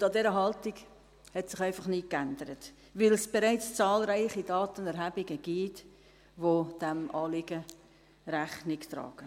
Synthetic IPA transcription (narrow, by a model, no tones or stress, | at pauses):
ʊndɑdɛɾəɦɑltɪɡ | hɛtsɪχæɪfɑχnɪkændəɾət | vɪlsb̥ɛɾaɪt͡st͡sɑːlɾaɪχidɑːtənɛɾɦæbɪɡəɡ̥iːt | ʋod̥æmʔɑːlɪɡə | ɾæχnɪkt̪ɾɑ̰ːɡ̥ə